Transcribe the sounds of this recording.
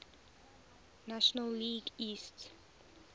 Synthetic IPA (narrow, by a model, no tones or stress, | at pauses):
naʃɔnalːiɡist